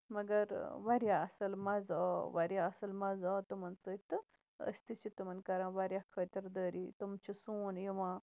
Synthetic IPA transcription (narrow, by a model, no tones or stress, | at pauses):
mɐɡɐɾʋɐɾjaɐsɐlmɐzɐʋɐɾjaɐsɐlmɐzɐːt̪umɐnsəit̪ɨ | ɐ̰st̪it͡ʃʰit̪umɐnkɐɾãːʋɐɾʲjakʰət̪ɐɾd̪əːɾit̪umt͡ʃʰisuːnjiʋãː